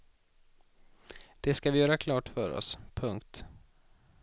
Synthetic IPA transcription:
d̪̥ɛskavɪjœːɾakʰlɑːʈfœɾɔ̰spʰɵŋkt̪

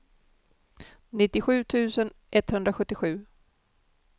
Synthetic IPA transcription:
nɪt̪ːɪɧʉ̟ːt̪ʰʉ̟ːsənʔɛt̪hɵnd̪ɾaɧɵt̪ːɪɧʉ̟ː

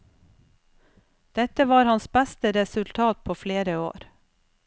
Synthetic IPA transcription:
d̪̥ɛt̪əʋɑːɾhɑnsbæst̪əɾɛsʉlt̪ʰɑːt̪̚pʰoːfleːɾəo̰ːɾ

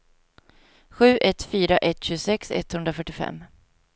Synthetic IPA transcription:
ɧʉ̟ːʔɛt̪ːfyːɾaʔɛt̪ːɕʉːsɛksɛ̰t̪ːhɵnd̪ɾafœʈːɪfɛ̰mː

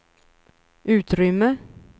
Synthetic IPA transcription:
ʉ̟ːt̪ɾʏmːə

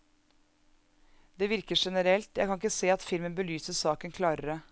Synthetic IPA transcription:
d̪̥eːʋɪɾkəʂɛnəɾɛlt̪jæɪkʰɑŋɪkːəseːɑt̪fɪlmənbəlyːsəsɑːkənkʰlɑːɾəɾə

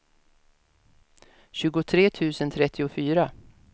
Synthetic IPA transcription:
ɕʉ̟ːɡʊt̪ʰɾeːt̪ʰʉ̟ːsənt̪ʰɾɛt̪ʰːɪʊfyːɾa

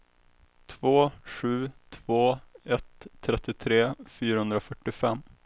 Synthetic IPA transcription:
t̪ʰvoːɧʉ̟ːt̪ʰv̥oːɛt̪ʰːɾɛt̪ːɪt̪ʰɾeːfyːɾahɵnd̪ɾafœʈːɪfɛmː

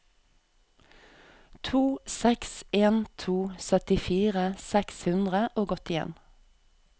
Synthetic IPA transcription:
t̪ʰuːsɛkseːnt̪ʰuːsœt̪ɪfiːʁəsɛkshʉnd̪ʁəʔoːɡɔt̪ɪjɛ̰n

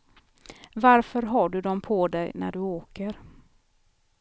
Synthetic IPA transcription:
vaɾfœɾɦɑːɖɵd̪ɔmpʰɔd̪ɛjnæ̰ɖɵoːkəɾ

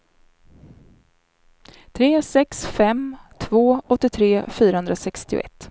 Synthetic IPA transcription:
t̪ʰɾeːsɛksfɛmt̪ʰvoːɔt̪ːɪt̪ʰɾeːfyːɾahɵnd̪ɾasɛkst̪ɪʊ̰ʔɛ̰t̪ː

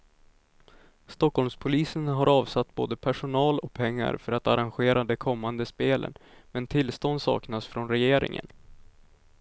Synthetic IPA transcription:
st̪ɔkhɔlmspʰʊliːsənɦaɾɑːvsat̪ːbo̰ːd̪əpʰæʂʊnɑːlɔk̚pʰɛŋːa̰ɾfœɾat̪aɾanɧeːɾad̪ɛkʰɔmːand̪əspeːlə̰nmɛnt̪ʰɪlst̪ɔnd̪sɑ̰ːknasfɾɔnɾɛjeːɾɪ̰ŋə̰n

